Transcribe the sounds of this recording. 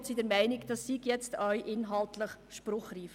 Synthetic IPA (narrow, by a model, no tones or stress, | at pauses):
tsidɛɾmɛɪnɪɡd̥ɑsːiɡjɛt͡stʰœʏʔɪnɦɑltləχʃpɾʊχriːf